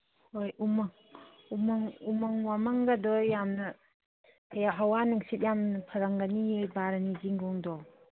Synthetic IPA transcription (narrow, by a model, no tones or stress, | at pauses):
hojumaŋ | umaŋumaŋwamaŋɡadɔjːamnɐ | ɦawanɯŋsit̚jamnpʰɐɾaŋɡanijejbaɾaniziŋɡɔŋdɔ